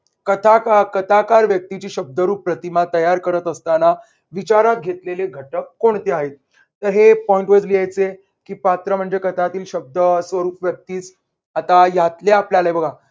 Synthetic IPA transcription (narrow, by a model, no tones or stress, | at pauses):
kət̪ʰakakət̪ʰakaɾʋjək̚t̪it͡ɕiːɕəb̚d̪əɾuːpːɾət̪imat̪əjaɾkəɾət̪əst̪ana | ʋit͡ɕaɾat̪̚ɡʱet̪leleɡʱəʈəkːoɳt̪eaɦet̪̚ː | əɾɦepɔiɳʈʋəd͡zliajt͡se | kiːpat̪ɾəm̤əɳd͡zekət̪ʰat̪iːlɕəb̚d̪əsʋəɾuːpʋjək̚t̪iːt͡s | at̪ajat̪leapljalaebəɡʱa